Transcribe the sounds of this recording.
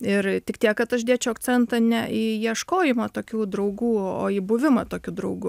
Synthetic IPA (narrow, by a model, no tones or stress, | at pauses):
ɪrt̪ʲɪkt̪ʲiɛkkɐt̪ɐʃd̪ʲeːt͡ʃʲɛʊɐkt͡sʲɛnt̪ɐnʲɛʔiːjiɛʃkoːjɪmɐt̪oːkʲuːd̪ɾɐʊɡuːo̰ːiːbʊʋʲɪmɐt̪oːkʲuːd̪ɾɐʊɡʊ